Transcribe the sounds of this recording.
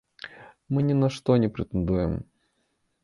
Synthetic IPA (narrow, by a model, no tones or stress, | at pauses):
mɨnʲɪnɐʂt̪onʲɪpɾʲɪt̪ɨnd̪ujɪ̰m